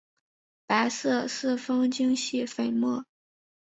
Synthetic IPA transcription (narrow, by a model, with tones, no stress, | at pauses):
pa˧˥ɪsɤ˥˧sɹ̩˥˩fɤ˥ŋt͡ɕi˥ŋɕi˥˩fe˨˩ɪmɔ˥˩